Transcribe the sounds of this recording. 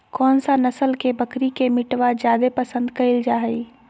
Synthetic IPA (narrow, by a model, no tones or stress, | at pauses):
kɔːnsanɐsəlkebəkɾikemɪʈwad͡ʒjaːd̪epəsə̃nd̪kɐɪld͡ʒaːɦəi